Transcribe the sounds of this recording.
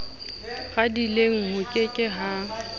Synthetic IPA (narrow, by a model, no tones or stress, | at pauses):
ɣadileŋ̩hʊkʼɪkʼɪɦa